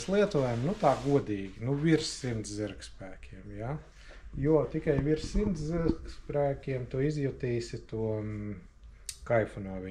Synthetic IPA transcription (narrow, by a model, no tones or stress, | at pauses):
slˠiɛt̪uɔjamnut̪ɑːɡuɔd̪iːɡʲinuʋʲiɾsːimt̪szʲiɾkspæːkʲʰiɛmja | juɔt̪ikajʋiɾssimt̪zziɾkspɾæːkʲiɛmt̪uɔizjut̪iːsʲit̪uɔ | kajfunuɔʋi